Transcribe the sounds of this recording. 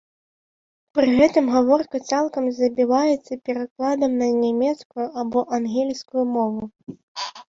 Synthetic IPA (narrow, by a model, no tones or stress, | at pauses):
pɾɨɣɛt̪ɨmɣavɔrkɐt̪salˠkɐmzɐbʲivajɛt̪sːɐpʲɛɾaklˠad̪ɐmnɐnʲamʲɛt̪skujuʔabɔʔanɣʲɛlʲskujumɔvu